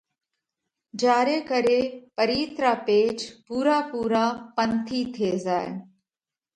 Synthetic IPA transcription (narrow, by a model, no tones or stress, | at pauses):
d͡ʒaːɾeːkəɾeːpəɾiːt̪ɾaːpeːd͡ʒpuːɾaːpuːɾaːpənt̪ʰiːt̪ʰeːzaːḛ